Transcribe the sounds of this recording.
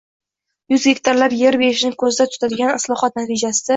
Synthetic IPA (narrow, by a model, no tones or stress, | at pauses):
jʊzɡʲe̞kʲt̪ʰaɾlaɾje̞ɾbe̞ɪʃɪnɪŋkʰɵzɪd̪at̪ʰʊ̥t̪ʰad̪ɪɡʲanɪslˠɒhɒt̪nat̪ʰɪd͡ʒasɪd̪a